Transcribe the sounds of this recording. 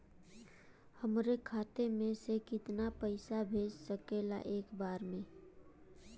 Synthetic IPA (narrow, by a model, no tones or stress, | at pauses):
həmɾekʰaːt̪emẽsekɪt̪napəɪsabʱeːd͡ʒsəkeːla̰ʔeːkbaːɾmẽː